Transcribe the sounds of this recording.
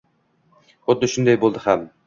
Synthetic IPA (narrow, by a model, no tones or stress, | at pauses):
ot̪̚ːɨʃund̪ɛjbolˠd̪ɨχæm